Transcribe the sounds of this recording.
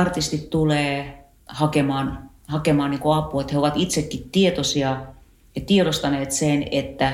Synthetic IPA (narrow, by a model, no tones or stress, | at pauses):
ɑrt̪ist̪it̪t̪uleː | hɑkemɑːn | hɑkemɑːniːŋkoɑpuet̪heoʋɑt̪it̪sekːit̪t̪iet̪osiɑ | jɑt̪ieɾost̪ɑneːt̪senet̪ːæ